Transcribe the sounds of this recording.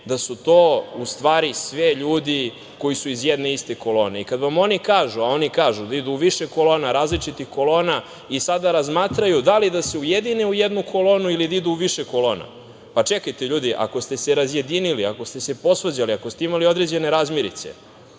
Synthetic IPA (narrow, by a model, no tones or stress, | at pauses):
d̪asut̪o̞ːust̪ʋaːɾisʋeʎuːd̪i | ko̞jisuizjed̪ne̞ist̪e̞ko̞lo̞ːne̞ikad̪ʋamo̞nikaːʒuao̞nikaːʒud̪aid̪uːʋiʃeko̞lo̞ːnaɾaːzlit͡ʂit̪ixko̞lo̞ːna | isad̪aɾazmaːt̪ɾajud̪alid̪ase̞ujed̪ineujed̪nukʰo̞lo̞ːnuilid̪aid̪uuʋiʃeko̞lo̞ːna̰ | pat͡ʂe̞kajt̪eʎuːd̪iʔa̰ko̞st̪e̞seɾazje̞d̪iniliako̞st̪e̞se̞po̞sʋad͡ʑaliako̞st̪eimalio̞d̪ɾed͡ʑe̞ne̞ɾaːzmjeɾḭt̪sḛ